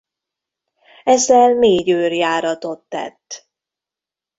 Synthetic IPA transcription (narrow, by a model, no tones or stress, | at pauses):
ɛzːɛlmeːɟøːrjaːɾɒt̪o̞t̪ːɛ̰t̪ː